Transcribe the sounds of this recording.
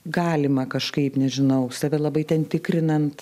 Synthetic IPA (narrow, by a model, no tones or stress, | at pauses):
ɡɑːlʲɪmɐkɐʃkɐɪpnʲɛʒʲɪnɐʊsɐʋʲɛlˠɐbɐɪtʲɛnt̪ʲɪkɾʲɪnɐnt̪